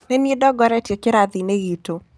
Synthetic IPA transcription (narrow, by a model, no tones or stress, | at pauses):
menedɔɡɔɾɛtjɔkɪɾad̪ineɣito